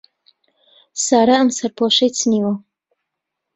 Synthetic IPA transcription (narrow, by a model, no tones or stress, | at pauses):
saːɾaɐmsɐɾpʰoːʃɐjt͡sʰɨniːwɐ